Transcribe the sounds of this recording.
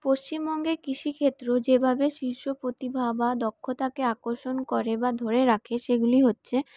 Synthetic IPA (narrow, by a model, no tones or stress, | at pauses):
poʃt͡ɕimbɔŋɡeɾkɾiʃikʰet̪ːɾod͡ʑebʱabeʃiɾʃopɾot̪ibʱabad̪okʰːot̪akeakoɾʃonkoɾebad̪ʱoɾeɾakʰeʃeɡuliɦotːɕʰe